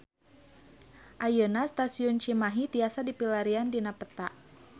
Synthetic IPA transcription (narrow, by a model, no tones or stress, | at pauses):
ʔajənast̪asiʊnt͡ʃimaɦit̪iasadipilaɾiandinapət̪aʔ